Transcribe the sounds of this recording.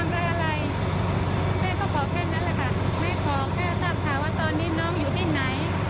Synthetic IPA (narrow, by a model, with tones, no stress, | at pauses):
a˧˩mɾaː˧˥˩ʔa˧ɾa˧j | mʰaː˥˩k̪ɔː˥˩kʰɔː˨˩˦kʰɛː˥˩na˦˥nlɛ˨˩kʰa˥˩ma˥˩jkʰɔː˩˦ŋnɛː˥˩saː˥˩p̚t̪ʰaː˨˦waː˥˩t̪ɔː˧nːiː˦˥nɔː˦˥ŋjuː˨˩t̪ʰiː˥˩na˩˦j